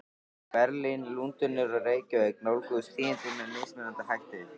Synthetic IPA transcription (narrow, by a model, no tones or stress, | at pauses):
pɛɾlinlunt̪ʏnːʏɾɔreːjcʏveːjknowlkʏðʏst̪ʰiːɪnt̪ɪmɛɾmɪːsmɛnant̪ahɛxt̪ɪ